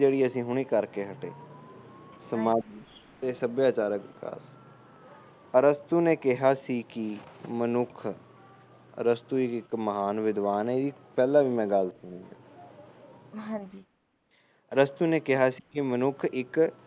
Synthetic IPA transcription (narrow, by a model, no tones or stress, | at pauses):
d͡ʒeːɽiːəsĩːɦʊɽ̃iːkəɾkeːɦəʈḛː | səmaːd͡ʒiːt̪eːsəbjaːt͡ʃaːɾəkɪka̰ːs | əɾəst̪uːneːkɪɦaːsiːkimənʊkʰ | ɾəst̪uːɪkɪkməɦaːnʋɪd̪ʋaːnɛɪd̪iːpɛːlãːʋiːmɛ̃ːɡəlsʊñĩːã̰ː | ɦãd͡ʒi | ɾəst̪uːneːkɪɦaːsiːkɪmənʊkʰɪk